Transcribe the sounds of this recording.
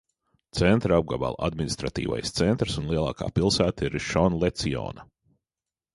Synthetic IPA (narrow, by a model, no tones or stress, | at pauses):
t̪sɛnt̪ɾab̚ɡaba̰lˠa̰d̪minist̪ɾat̪ḭːva̰jst̪sɛnt̪ɾsunlˠiɛlˠɑ̰ːka̰ːpilˠsæːt̪aiɾʃɔnlɛt̪siɔ̰ːna